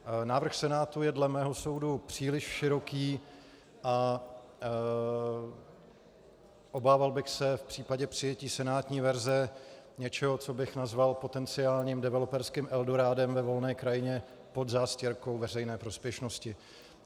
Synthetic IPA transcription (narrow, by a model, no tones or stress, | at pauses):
naːvr̩xsɛnaːt̪ujɛdlɛmɛːɦo̞so̞wdupr̝̥iːlɪʃfʃɪɾo̞kiː | ʔa | ʔo̞baːvalbɪxsɛfpr̝̥iːpaɟɛpr̥ɪjɛciːsɛnaːt̪ɲiːvɛɾzɛ | ɲɛt͡ʃɛɦo̞t͡so̞bɪxnazvalpo̞t̪ɛnt͡sɪaːlɲiːmdɛvɛlo̞pɛɾskɪmʔɛldoɾaːdɛmvɛvo̞lnɛːkɾajɪɲɛ | po̞d̪zaːscɛɾko̞wvɛrɛjnɛːpɾo̞spjɛʃno̞scɪ